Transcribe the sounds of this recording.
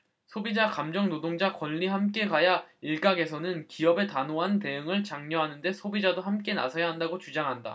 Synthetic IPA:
sʰobid͡ʑakamd͡ʑʌŋnodoŋd͡ʑakwʌnːihamk͈e̞kajaiɭk͈aɡe̞sʰʌnɯnkiʌbe̞tanoɦante̞ɯŋɯɭt͡ɕaŋɲʌɦanɯnde̞sʰobid͡ʑadohamk͈e̞na̰sʰʌjaɦandaɡot͡ɕud͡ʑaŋɦanda̰

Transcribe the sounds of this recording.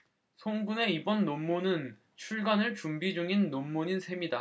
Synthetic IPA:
sʰoŋɡune̞ibʌnːomːonɯn | t͡ɕʰuɭɡanɯɭt͡ɕumbid͡ʑuŋinːomːoɲinsʰe̞mida

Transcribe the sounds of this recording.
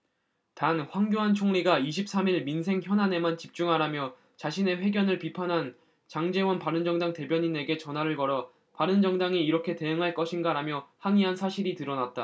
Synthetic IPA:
tanɸwaŋɡjoɦant͡ɕʰoŋʎiɡaiɕʰip̚s͈amiɭminsʰe̞ŋçjʌnɦane̞mant͡ɕip̚t͡ɕ͈uŋɦaɾamjʌ | t͡ɕaɕʰine̞ɸwe̞ɡjʌnɯɭpipʰanɦan | t͡ɕaŋd͡ʑe̞wʌnpaɾɯnd͡ʑʌŋdaŋte̞bjʌɲine̞ɡe̞t͡ɕʌnwaɾɯɭkʌɾʌ | paɾɯnd͡ʑʌŋdaŋiːɾʌkʰe̞te̞ɯŋɦaɭk͈ʌɕʰinɡaɾamjʌhaniɦansʰaɕʰiɾitɯɾʌnat̚t͈a

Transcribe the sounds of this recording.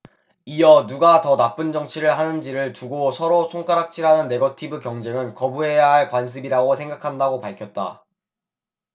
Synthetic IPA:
ijʌnuɡatʌnap͈ɯnd͡ʑʌŋt͡ɕʰiɾɯɭɦanɯnd͡ʑiɾɯɭt͡ɕuɡosʰʌɾosʰoŋk͈aɾak̚t͡ɕʰiɾanɯnːe̞ɡʌtʰibɯkjʌŋd͡ʑeŋɯnkʌbuɦe̞jaɦaɭkwansʰɯbiɾaɡosʰe̞ŋɡakʰandaɡopaɭkʰjʌt̚t͈a̰

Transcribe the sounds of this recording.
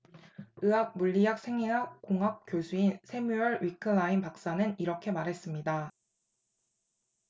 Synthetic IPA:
ɯak̚muʎːijak̚sʰe̞ŋiɦak̚k͈oŋɦap̚k͈josʰuinsʰe̞mjuʌɭɥikʰɯlainpak̚s͈anɯniɾʌkʰe̞maɾɦe̞s͈ɯmɲida

